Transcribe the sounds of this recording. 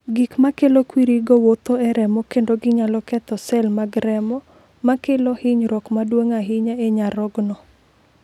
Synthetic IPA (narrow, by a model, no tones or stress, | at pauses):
ɡikmakelokwiɾiɡɔwot̪oɛɾɛmɔkendoɡɪɲalɔkɛt̪ɔsɛlmaɡɾɛmɔ | makelɔhɪɲɾɔkmadwoŋaɦɪɲaeɲaɾɔɡnɔ